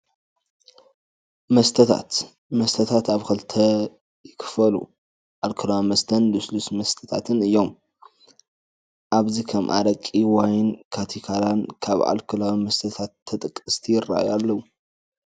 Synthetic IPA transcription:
mɐst̪ʰɐt̪ʰa̰t̪ | mɐst̪ʰɐt̪ʰat̪aβkɐlt̪ʰɐ | jɪkʰɨ̥fɐlṵ | ʔalkʰɨlawmɐst̪ʰɐnlɨslusmɐst̪ʰɐ̥t̪ʰat̪ʰɨnɨjːo̞m | ʔaβzikʰɐmʔa̰ɾɐkʼiwajnkʰat̪ʰikʰalankʰaβʔa̰lkʰɨlawmɐst̪ʰɐt̪ʰat̪ʰːɐt̪ʼɨkʼːɨst̪ʰijɪra̰jalːɐwu

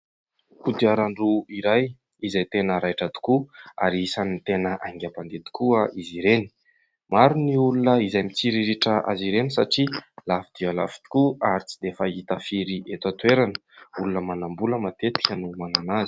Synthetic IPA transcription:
kud̪iaɾaɳruiɾaj | izajt̪enəɾajʈ͡ʂad̪i̥kua̰ɾisanint̪enəʔaŋɡʲapand̪et̪i̥kuəʔiziɾeni̥ | maɾuniulunəizajmit͡siɾiɾiʈ͡ʂəʔa̰ziɾenisaʈ͡ʂilafid̪̥iəla̰fi̥t̪i̥kuaɾit͡sid̪efait̪afiɾiʔet̪at̪weɾanə̥ulunəmanambuləmat̪et̪i̥kʲənumananazi̥

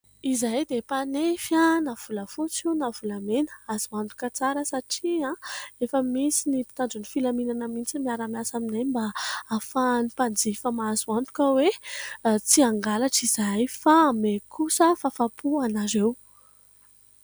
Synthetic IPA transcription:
izajd̪epanefjanav̥uləfut͡siwnavulamenə̥azuant̪u̥kʲət͡saɾəsaʈ͡ʂiãefəmisinipi̥t̪aɳd͡zunifilaminanəmint͡simiaɾamiasaminajmbaafanipand͡zifəmazuant̪u̥kəwe | t͡siaŋɡalaʈ͡ʂizajfamekʰusəfafapuanazew

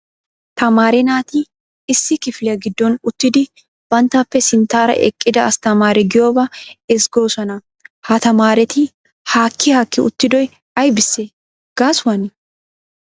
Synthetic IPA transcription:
t̪ɐmaːɾɛnaːt̪i | ɪsːɪkɪflɛɐɡɪd̪ːɔnʊt̪ːɪd̪ɪ | b̥ɐnt̪ɐfːɛsɪnt̪aːɾɐ̰ʔɛ̰kʼːɪd̪ɐɐst̪ɐmaːɾɛɡɪjo̞ːbɐɛsɡo̞ːsɐnɐ | hat̪ɐmaːɾɛt̪ɪ | haːkʰːɪhɐkːɪʊt̪ːɪd̪ɔj | ɐjbɪsːɛ | ɡ̥aːsʊwɐnɪ

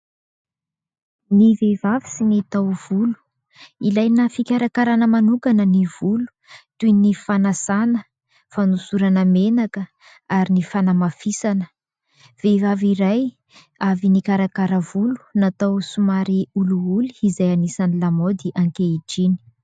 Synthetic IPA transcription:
nivevavi̥sinet̪awv̥ulu̥ | ilajnəfikʲaɾakaɾanəmanukanəniv̥ulu̥t̪unifanasanə | fanusuɾanəmenakə | aɾinifanamafisanə̥ | v̥evaviɾaj | avinikaɾakaɾəvulu̥nat̪awsumaɾiuluuliizajanisanilamod̪iʔãŋkeid͡ʒini̥

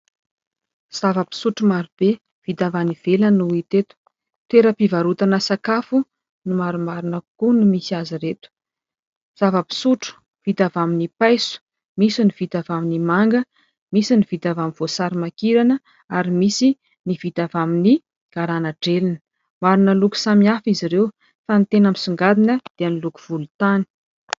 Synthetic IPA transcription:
z̥avəpi̥suʈ͡ʂumaɾub̥e | v̥it̪avaniv̥elənuit̪et̪u̥ | t̪eɾəpivaɾut̪anəsakafu | nimaɾumaɾunəkunumisiaziret̪u̥ | z̥avəpi̥suʈ͡ʂu̥ | v̥it̪avaminipajsu̥ | misiniv̥it̪avaminimaŋɡə | misiniv̥it̪avamiv̥osaɾimakiɾanə | aɾimisi | nivit̪avamini | ɡ̥aɾanaɖ͡ʐelinə̥ | maɾunəluku̥samiafiziɾew | fanit̪enamisuŋɡad̪inəd̪̥eaniluku̥v̥ulut̪ani̥

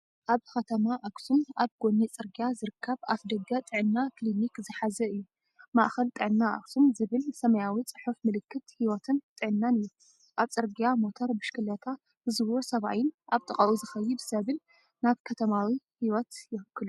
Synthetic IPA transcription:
ʔaβxɐt̪ʰɐmaʔaksunaβɡ̥onːit͡sʼɨɾɡijazɨɾɨkʰːɐβafd̪ɐɡɐt̪ʼɨʕɨnːaklinikzɨħazɐɨjːu | ma̰ʔxɐlt̪ʼɨʕɨnːaʔa̰ksunzɨβɨlsɐmɐjawit͡sʼɨħufmɨlɨkːɨt̪hiwɔt̪ʰɨnt̪ʼɨʕɨnːanɨjːu | ʔaβt͡sʼɨɾɡijamo̞t̪ʰɐɾbɨʃkɨlɐt̪ʰa | hɨzɨβosɐβa̰jɪnʔaβt̪ʼɨkʼɐʔuzɨxɐjːibɨsɐβɨl | naβkʰɐt̪ʰɐmawi | hiwɔt̪jɪhɨkːɨlu

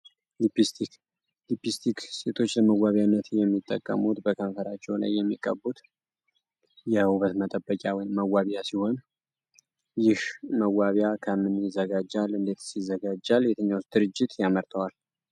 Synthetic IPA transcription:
lipist̪i | lipist̪ʰikse̞t̪ʰo̞t͡ʃːləməwaβjanːət̪jɛmːit̪ʼːə̰kʼːə̰mut̪bəkʰənfəɾat͡ʃːɛwla̰jːɛmːikʼːə̰but̪ | jɛhuβət̪mət̪ʼəbəkʼjawɔjmːəwaβjasiho̞n | jɪhməwaβjakʰəmɨnjɪzəɡad͡ʒːalɨnd̪e̞t̪sizːəɡad͡ʒːaljɛt̪ʰəɲːawst̪d̪ɨɾɨd͡ʒːɪt̪jaməɾt̪ʰəwal

